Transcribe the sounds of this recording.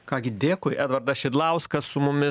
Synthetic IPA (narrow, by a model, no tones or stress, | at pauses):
kɑːɡʲɪd̪ʲeːkoːjʔæːd̪ʋɐɾd̪ɐʃʲɪd̪lˠɐʊskɐssʊmʊmʲɪ